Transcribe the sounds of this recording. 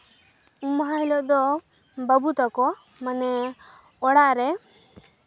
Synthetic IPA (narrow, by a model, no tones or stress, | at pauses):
umɔɦãɦilɔʔd̪ɔ | bəbut̪akɔ | manɛ | ɔɽaʔɾɛ